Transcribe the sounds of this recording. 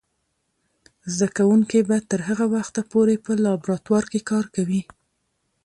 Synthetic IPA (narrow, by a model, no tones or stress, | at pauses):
zd̪akawuŋkebat̪əɾɦəɣawaxt̪apoɾepəlɑbɾɑt̪wɑɾkekɑɾkawi